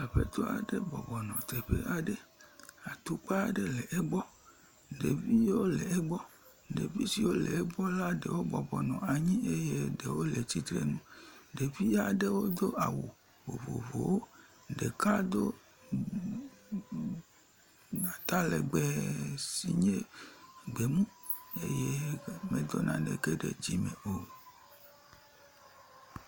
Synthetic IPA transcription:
a˨ɸḛ˦t̪ɔ˦a̰˨ɖe˦bɔ̰˨bɔ˨nɔ̃˨t̪e˨ɸḛ˦ʔa˨ɖe˦a˨t̪u˦k͡pa˦˨ɖe˦le˨ʔe˦ɡ͡bɔ˦ | ɖe˨vi˦wo˦le˨e˦ɡ͡bɔ˦ | ɖḛ˨vi˦si˨wo˦lḛ˨ɛ˦bɔ˦la˦ɖḛ˨wo˦bɔ˨bɔ˨nɔ̰̃˨a˨ɲĩ˦ʔe˦je˦ɖe˨wo˦le˨t͡ɕi˦t̪ɾḛ˦nũ˦ɖe˨vi˦a˨ɖe˦wo˦d̪o˦ʔa˨wo˨ | vo̰˨vo̰˨vo̰˨wo˦ | ɖe˨ka˦d̪o˦ | a˨t̪a˦le˨ɡ͡bɛ˨si˨ɲe˦ɡ͡be˨mũ˦e˦je˦mẽ˦d̪ɔ˦nʔã̰˦ɖe˨ke˦ɖḛ˨d͡ʑi˨mẽ˨o˨

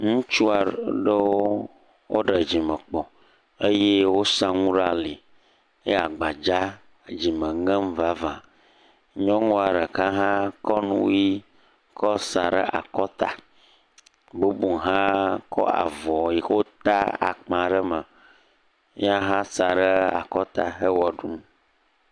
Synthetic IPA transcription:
ŋũ˦t͡ʃu˦a˨ɖə˦wo˦ | wo˦ɖə˨d͡ʑi˨mə˨k͡pɔ˨ | e˦je˦wo˦sã˦ŋũ˦ɖa˨li˨ | ḛ˦a˨ɡ͡ba˨d͡ʒa˦ | d͡ʑi˨mə̃˨ŋə̃˦m˦va˦vã˨ | ɲɔ̃˦ŋɔ̃˦a˨ɖə˨kã˦ɦã˦kɔ˦nṵ̃˦ji˦ | kɔ˦sa˨ɖə̰˦ʔa̰˨kɔ˦t̪a̰˨ | bo˦bu˨ɦã˦kɔ̰˦a̰˨vɔ˨ji˨xo˦t̪a̰˦a̰˨k͡pã˨ɖə˦mə˨ | ɲ˦ã˦ɦã˦sa˨ɖə˦a̰˨kɔ˦t̪a˨ɦə˦wɔ˨ɖu˦m˦

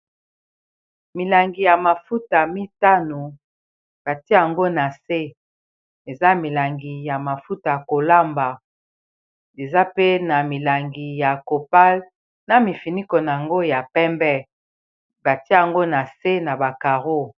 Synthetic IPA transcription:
mi˨la˨ŋɡi˨ja˨ma˨fu˦ta˨mi˦ta˦no˨ | b̥a˨ti˦˨a˨ŋɡo˦na˨se˦ | e˨za˦mi˨la˨ŋɡi˨ja˨ma˨fu˦ta˨ko˨la˦mba˨ | e˨za˦pe˦na˨mi˨la˨ŋɡi˨ja˨ko˨pa˦l | na˦mi˨fi˨ni˦ko˨na˨ŋɡo˦ja˨pɛ˦mbɛ˦ | ba˨ti˦˨a˨ŋɡo˦na˨se˦na˨ba˨ka˨ʁo˦

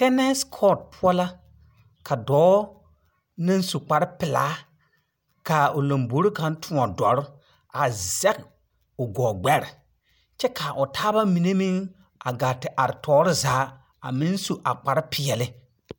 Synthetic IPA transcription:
tɛ˦nɛ˦skʰɔ˦˨d̚pʰʊ˦ɔ˦la˦ | kʰa˨dɔː˨˦ | nɪ˦nsu˨k͡pa˨ɾɪ˦pɪ˨la̰ː˨˦ | ka˨ʊ˨lo˨mbo˨˦ɾi˦ka˨n˦tʰʊ˦ɔ˨dɔ˨ɾʊ˦ | a˨zɛ˦k | ʊ˨ɡɔː˨ɡ͡bɛ˦ɾɪ˨ | t͡ʃɛ˦kʰa˨ʔʊ˨tʰaː˦ba˦mi˨ne˦mɪ˦ŋ | ʔa˨ɡa˨tɪ˨ʔa˨ɾɪ˨tʰɔː˦ɾɪ˦zaː˨˦ | a̰˨mɪ˦nsu˨ʔa˨k͡pa˨ɾɪ˦pʰɪ˨ɛ˨lɪ˦

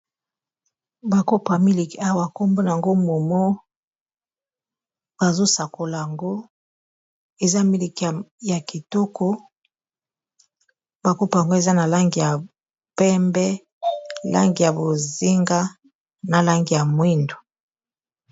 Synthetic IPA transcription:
ba˨ko˦pa˨mi˦li˨ki˨a˦wa˨ko˦mbo˦na˨a˨ŋɡo˦mo˨mo˦ | b̥a˨zo˦sa˨ko˨la˨ja˨ŋɡo˦ | e˨za˦mi˦li˨ki˨ja˨ki˨to˦ko˦ | ba˨ko˦pa˨ŋɡo˦e˨za˦na˨la˦ŋɡi˨ja˨ | pɛ˦mbɛ˦ | la̰˦ŋɡi˨ja˨bo˨zi˦ŋɡa˦ | na˨la˦ŋɡi˨ja˨mwi˦ndo˨

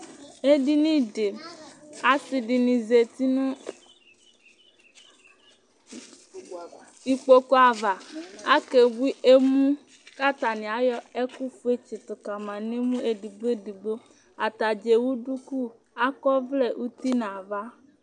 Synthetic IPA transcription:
e˦ɖi˦nĩ˦ɖe˨ | a˨si˨ɖi˨nĩ˨ze˨t̪i˦nũ˦ | i˨k͡po˦ko˦a˨va˨a˦ke˨bu˦i˦ʔe˦mũ˦ | ka˦t̪a˨nĩ˨a˨˦jɔ˦e˦ku˦fu˦e˦t͡ʃi˨t̪o˨ka˨mã˨nẽ˦mũ˦e˨di˨ɡ͡be˦di˨ɡ͡bo˦ | a˨t̪a˨d͡ʒe˨wu˦ɖu˦ku˦ | a˦kɔ˦vle˦ʔu˦t̪i˦nã˨va˦

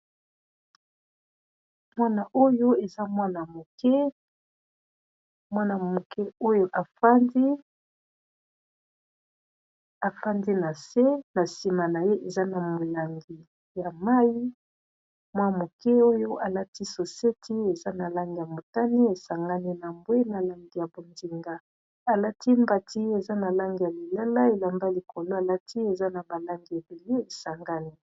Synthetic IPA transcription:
mwa˦na˨ʔo˦jo˦e˨za˦mwa˦na˨mo˨kɛ˦ | mwa˦na˨mo˨kɛ˦o˦jo˦ʔa˨fa˦ndi˦ | a˨fa˦ndi˦na˨se˦na˨si˨ma˨na˨je˦ʔe˨za˦na˨mo˨la˨ŋɡi˨ | ja˨ma˦ji˦ | mwa˦mo˨kɛ˦o˦jo˦ʔa˨la˦ti˦so˨se˦tʰi˦e˨za˦na˨la˦ŋɡi˨ja˨mo˨ta˦ni˦e˨sa˨ŋɡa˦ni˦na˨mbwe˦na˨la˨ŋɡi˨ja˨bo˨ndi˨ŋɡa˦ | a˨la˦tʰi˦mba˦˨tʰi˦e˨za˦na˨la˦ŋɡi˨ja˨li˨la˦la˦e˨la˨mba˦li˨ko˨lo˦a˨la˦ti˦e˨za˦na˨ba˨la˦ŋɡi˨e˨be˨le˦e˨sa˨ŋɡa˦ni˦

